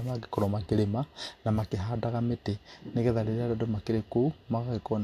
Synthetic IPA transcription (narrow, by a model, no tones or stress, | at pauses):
amaɡe̥kɔɾɔmakeɾemanamakeɦaːdaɣameteneɣɛðaɾeɾeaɾɛdɔmakeɾekomaɣaɣekɔn